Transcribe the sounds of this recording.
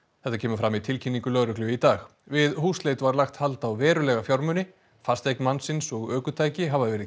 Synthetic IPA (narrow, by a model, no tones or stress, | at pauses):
θɛht̪acʰɛːmʏfɾamit̪ʰɪlcʰinːiŋkʏlœːɾʏklʏvit̪aːx | vɪðhuːsleːjt̪ʏvaɾlaxt̪halt̪awvɛːɾʏlɛɣafjawɾmʏnɪ | fast̪ejknmansɪnsɔɣœːkʏt̪ʰaːjcɪɦavaðvɛːɾɪ